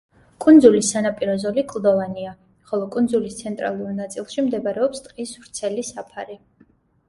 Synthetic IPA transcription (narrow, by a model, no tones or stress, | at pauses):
kʼund̪zulisːanapʼiɾɔzɔlikʰʼlˠd̪ɔvania | χɔlˠɔkʼund̪zulist̪sʰɛnt̪ʼɾa̰lˠuɾnat̪sʼilˠʃimd̪ɛbaɾɛɔpst̪ʼqʼisvɾt̪sʰɛlisapʰaɾi